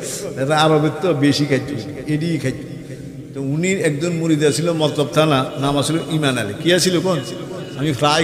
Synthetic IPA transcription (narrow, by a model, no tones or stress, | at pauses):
ɛtaababek̚t̪ɔbeʃikʰajtʰːueʈikʰat̪ːʰu | t̪ouniɾɛkd̪onmuɾid̪at͡ɕʰilomɔt̪lɔb̚t̪ʰananamasʰiloʔimanalekiat͡ɕʰilokonamifɾa